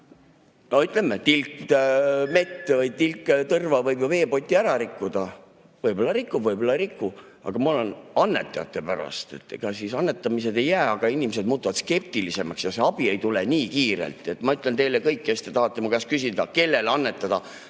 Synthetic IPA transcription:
noyt̪ˑlemːet̪ilk | me̞t̪ːvɤjt̪ilkːˑt̪ɤrvɑvɤjbjove̞ːpo̞t̪ʲːˑiæɾɑɾikːud̪̥ɑ | vɤjbo̞lːɑɾikːubvɤjbo̞lːɑɾikːu | ɑ̰ɡ̥ɑmolenɑnːe̞t̪ːˑɑjɑ̰t̪ːˑe̞pæɾɑ̰st̪e̞t̪ːˑkɑsisɑnːe̞t̪ːˑɑmise̞d̪e̞jːæːɑɡ̥ɑinʲimese̞d̪̚muːt̪ːˑuvɑt̪ske̞p̚t̪ilise̞mɑksjɑse̞ɑb̥ie̞jt̪uleniːkiːɾḛlt̪ˑe̞t̪ːˑmɑyt̪ːˑlent̪e̞jlekɤjkːe̞st̪e̞t̪ɑɦɑt̪ːˑemukɑskysid̪̥ɑke̞lːe̞lɑnːe̞t̪ːˑɑd̪̥ɑ

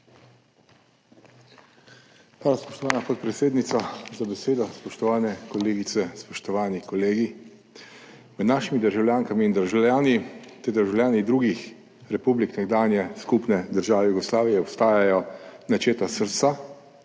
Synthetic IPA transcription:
paːʋaspɔʃt̪ɔʋaːnapɔt̪̚pɾɛt̪seːd̪nit̪sazabɛseːd̪ɔspɔʃt̪ɔʋaːnɛkɔleːɡit̪sɛspɔʃt̪ɔʋaːnikɔleːɡi | mɛd̪naːʃimid̪əɾʒawlʲjaːŋkamiːnd̪əɾʒawljaːnit̪ed̪əɾʒawlʲjaːnid̪ɾuːɡix | ɾɛpubliknɛɡd̪aːnjɛskupnɛd̪əɾʒaːʋɛjuɡɔslaːʋijɛɔpst̪aːjajɔnat͡ʃeːt̪asəɾt̪sa

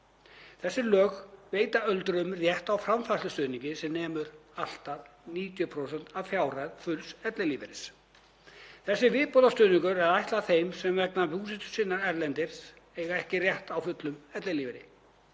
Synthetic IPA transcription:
θɛsːɪlœːɣveːjt̪aœlt̪ɾʏmrjɛht̪awfɾamfast̪ʏst̪œːniɲcɪsɛmnɛːmʏɾal̥t̪að | niːt̪jʏpʰɾowsɛn̥t̪avfjaːwrajðfʏlsɛt̪lɛliːvɪɾɪs | θɛsːɪvɪːpɔlast̪œːniŋkʏɾɛɾðajht̪laθejmsɛmvɛknapuːsɛt̪ʏ̥sɪnːaɾɛɾlɛnt̪ɪɾ̥s | eːɣaɛhcɪrjɛht̪awfʏt̪lʏmɛt̪lɛliːvɪɾɪ̰

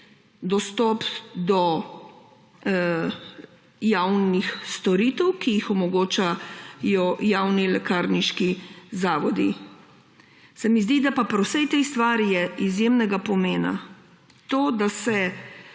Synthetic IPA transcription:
d̪ɔst̪ɔpd̪ɔ | jawnixst̪ɔɾiːt̪ɛwkijixɔmɔɡoːt͡ʃajɔjaːwnilɛkaːɾniʃkizaːʋɔd̪i | sɛmizd̪id̪apapɾɛwsɛjt̪ejst̪ʋaːɾijɛizjemnɛɡapɔmeːna̰ | t̪oːd̪asɛ

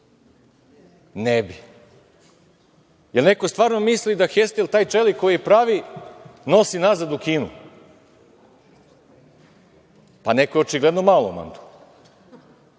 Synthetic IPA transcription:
nebi | jelneko̞st̪vʋaːɾno̞mislid̪axest̪elt̪aːjt͡ʃelikojiepɾaʋino̞sinazad̪ukiːnṵ | panekojɛot͡ʃiɡled̪nomaːlˠoma̰nt̪u̥

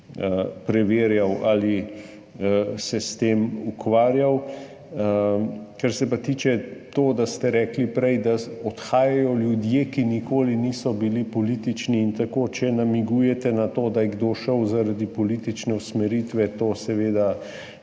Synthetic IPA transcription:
pɾɛʋeːɾjawali | sɛst̪eːmukʋaːɾjaw | kaɾsɛpat̪iːt͡ʃɛt̪oːd̪ast̪ɛɾɛːklipɾɛjd̪aɔt̪xaːjajɔljud̪jekinikoːliniːsɔbilipɔliːt̪it͡ʃniːnt̪akoːt͡ʃɛnamiɡuːjɛt̪ɛnat̪oːd̪ajɛɡd̪oʃəwzaɾad̪ipɔliːt̪it͡ʃnɛusmɛɾiːt̪ʋɛt̪oːsɛʋeːd̪a

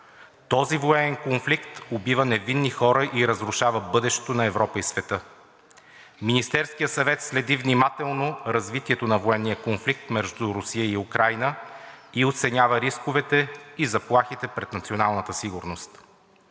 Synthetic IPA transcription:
t̪ɔzivoɛnɛnkonflikt̪obivənɛvinːixɔɾəʔiɾəzɾʊʃavəbɤd̪ɛʃɛ̥t̪onɐɛvɾɔpəisvɛt̪ɤ | minist̪ɛɾskijəsɐvɛt̪slɛd̪ivnimat̪ɛlˠnoɾɐzvit̪iɛt̪onɐvoɛnːijəkonflik̚t̪mɛʒd̪uɾʊsijəiukɾʔajnəiot̪sɛnʲavəɾiskovɛt̪ɛizɐplˠaxit̪ɛpɾɛt̪nɐt̪sionalˠnət̪əsiɡʊɾnost̪

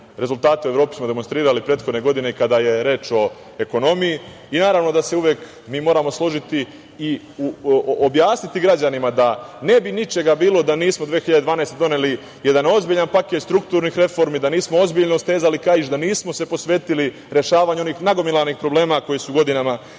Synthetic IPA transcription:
ɾe̞zulˠt̪aːt̪eueɾo̞ːpi̥smo̞d̪e̞monst̪ɾiːɾalipɾeːt̪xo̞d̪neɡo̞d̪ineikad̪aje̞ɾe̞ːt͡ʃo̞ | e̞ko̞no̞mijiː | naːɾaʋno̞d̪ase̞uʋjeːk | miːmo̞ːɾamo̞slˠo̞ʒit̪iː | uobjaːsnit̪iɡɾad͡ʑanimad̪ane̞binit͡ʃe̞ɡabiːlo̞d̪aniːsmod̪ʋe̞ːxiʎad̪d̪ʋaːnaest̪ed̪o̞ne̞li | je̞d̪ano̞zbiʎanpaket̪st̪ɾukt̪uːɾnixɾe̞fo̞ɾmid̪aniːsmoo̞zbiʎnoust̪e̞ːzalikaiʃd̪aniːsmo̞se̞po̞sʋe̞ːt̪ili | ɾe̞ʃaːʋaːɲoniːxnaɡo̞milaniːxpɾo̞ble̞ːmako̞jisuɡo̞d̪inama

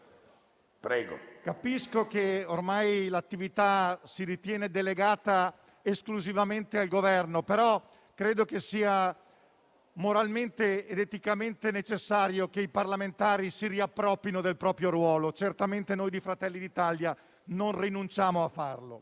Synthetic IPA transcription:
pɾɛːɡo̰kapiskokeormajlat̪ːivit̪asiɾit̪jɛːned̪eleɡaːt̪a | eskluzivament̪ealɡovɛrnopeɾɔ | kɾeːd̪okesiːa | moɾalment̪eːd̪et̪ikament̪enet͡ʃesːaːɾjokeiparlament̪aːɾisiɾiapːɾɔpːinod̪elpɾɔːpɾjoɾwɔːlot͡ʃert̪ament̪enoːjd̪ifɾat̪ɛlːid̪it̪alja | nonrinunt͡ʃaːmoafːarlo̰

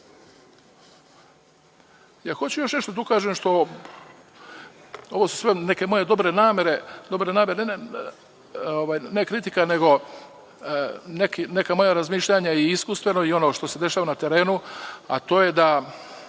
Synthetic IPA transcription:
jaxo̞t͡ɕujo̞ʃne̞ʃt̪od̪aukaːʒemʃt̪o̞ | o̞ʋosu̥sʋe̞ne̞ke̞mo̞je̞d̪o̞bɾe̞naːmeɾe̞d̪o̞bɾe̞naːme̞ɾe | oʋaːjnekɾit̪ikane̞ɡo̞ | nekine̞kamo̞jaɾazmiːʃʎʲaɲaiiskust̪ʋe̞no̞io̞no̞ːʃt̪o̞se̞d̪e̞ʃaːʋanat̪e̞ɾe̞ːnua̰t̪o̞ːje̞d̪a

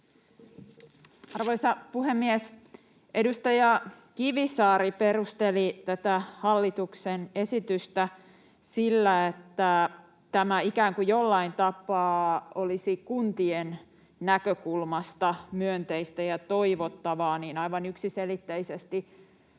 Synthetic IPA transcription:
ɑrʋoisɑpuɦemːies | ʔe̞dust̪ɑjɑ | k̟iʋisɑːɾipe̞rust̪elit̪æt̪æhɑlːit̪uksene̞sit̪yst̪æ | silːæet̪ːæ | t̪æmæikæːŋkujolːɑint̪ɑpɑːolisikunt̪ien | nækøkulmɑst̪ɑmyønt̪eist̪æjɑt̪oiʋot̪ːɑʋɑːniːnɑiʋɑnyksiselit̪ːeisest̪i

